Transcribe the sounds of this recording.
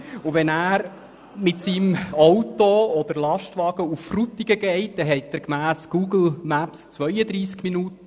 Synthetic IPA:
ʊvɛnæːɾ | mɪtsiːmowtoɔd̪əɾlɑʃtʋɑːɡ̥əufːrut̪ːiɡəɡɛɪt̚d̥̪ɛɦɛɪt̚dæɾkmæːsɡ̥uːɡl̩mæpst͡sʋœjəd̪ɾiːskminuːtəə

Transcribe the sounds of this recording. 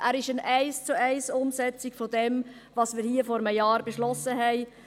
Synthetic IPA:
ʔæɾɪʃənæɪst͡suɛɪsʊmsɛt͡sɪkfɔdɛm | vɑsmɪːɾhiəfɔɾəməjɑːɾbeʃlɔsəɦɛɪ

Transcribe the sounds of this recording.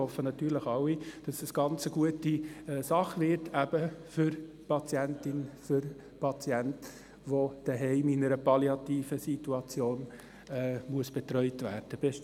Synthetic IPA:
hɔfːənɑt̪yːɾləχɑwid̥ɑsəsɡ̥ɑnt͡səɡuətiɛsɑχʋɪɾtʰæb̥əfʏɾ | pɑt͡sjæntɪnfʏɾ | pʰɑt͡sjænt | ʋod̥əɦɛɪminəɾəpɑliɑt̪iːfəsituɑt͡sjoːn | ɛːmuəsb̥ɛt̪ɾœʏtvæːrd̥əb̥ɛ

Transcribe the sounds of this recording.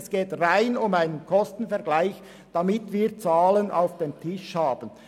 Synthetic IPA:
sɡ̥eːtʁaɪnʊmaɪnənkʰɔstn̩fɛɐɡlaɪç | d̥amɪtviːʁt͡saːlənʔa̰ʊfd̥eːmtʰɪʃhaːb̥ən

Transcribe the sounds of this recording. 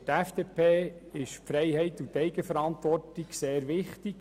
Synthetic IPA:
tæfd̥eːpʰeːɪʃpfɾɛjhɛɪtːutɛɪɡəfəɾɑnt̪ʋɔrtiɡseːɾʋɪχtiɡ̥

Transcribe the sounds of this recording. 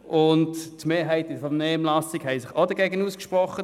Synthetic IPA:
ʔʊnttmeːɦæɪtɪfɔnɛːmlɑsiɡhɛɪsɪχodɐɡɛːɡənuːskʃpʁɔχːə

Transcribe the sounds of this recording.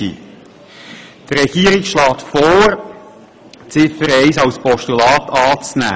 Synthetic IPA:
ḭ | trɾɛɡ̥iːəɾiɡʃlɑːtfɔːɾ | t͡sɪfəɾɛɪsɑwspɔʃtulɑːt̪ɑːt͡snæ̰ː

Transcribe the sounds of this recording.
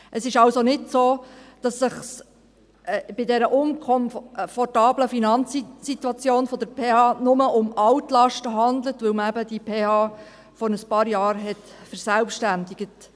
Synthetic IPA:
ʔəsɪʃɑwsonɪdsoːd̥ɑsːɪχs | ʔb̥ɪdɛɾəʔʊmkʰɔmfɔrtɑːbləfinɑnt͡ssit̪wɑt͡sjoːnfɔd̥̪əɾpʰeːhɑːnʊməʊmɑwtlɑʃtəɦɑnd̪lətʋɵwməæbəd̥ipʰeːhɑː | fɔɾəspɑːɾjɑːɾɦɛt | fəɾsælpʃtændɪɡ̥ət

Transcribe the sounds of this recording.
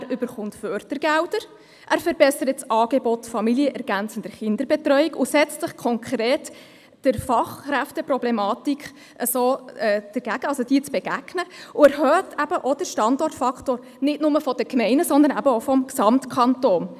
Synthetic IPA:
æɾʏbəɾχʊntfœːrtəɾɡ̥æwdəɾ | ʔæːɾfəɾbɛsəɾətsʔɑːɡ̥ebɔtfɑmiliəʔɛɾɡ̥ænt͡sənd̥əɾχɪnd̥əɾbɛtrœʏikʊsɛt͡stlɪχkʰɔŋkʰɾeːt | d̥ɪɾfɑχræftəprɔblɛmɑːtik | ʔəsoːɛːd̥əɾɡæɡ̥əɑlsod̥iːt͡sb̥eɡ̥æɡ̥nəʊæɾɦœːtæbəʔod̥əʃtɑndɔrtfɑktoːɾ | nɪtnʊməfɔd̥əkmɛɪnəsɔnd̪ənæ̰bəoʊfɔmksɑmtkʰɑntoːn

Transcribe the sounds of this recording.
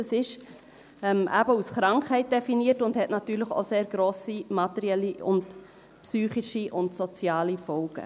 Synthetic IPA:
əsɪʃ | ɛmʔæ̰bəusχɾɑŋkhɛɪt̚d̥ɛfiniətʊndhɛtnɑtyːləχo̰ːseːɾɡ̥ɾoːsimɑtɛɾiɛliʊ̰nd | psyːχiʃiʔʊntsɔt͡sjɑːlifɔlɡ̥ə̰

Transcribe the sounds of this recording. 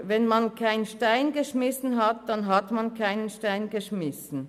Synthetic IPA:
vɛnmɑnkʰaɪnʃtaɪnɡəʃmɪsn̩ɦɑtd̥anɦatmankʰaɪnənʃtaɪnɡəʃmɪsn̩

